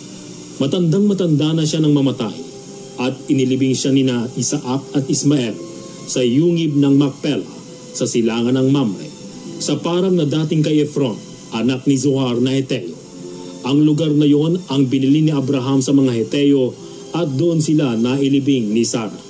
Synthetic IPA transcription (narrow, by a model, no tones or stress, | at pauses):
mɐt̪ɐnd̪aŋmɐt̪ɐnd̪anɐʃanɐŋmɐmɐt̪a̰j | ʔɐt̪̚ɪnɪlɪbɪŋʃaninɐʔisaʔak̚ɐt̪̚ɪsmɐʔɛl | sɐjuːŋɪb̚nɐŋmɐk̚pɛlɐ | sɐsɪlaːŋɐnɐŋmamɐ̰j | sɐpaːɾɐŋnɐd̪aːt̪ɪŋkɐjʔɛfɾon | ʔɐnak̚nizʊhaɾnɐhɛt̪ɛjo | ʔɐŋlʊɡaɾnɐjo̞nɐŋbɪnɪliniʔɐbɾɐɦamsɐmɐŋahɛt̪ɛjo | ʔɐt̪̚d̪oʔo̞nsɪlanɐʔɪlɪbɪŋnisaɾɐ̰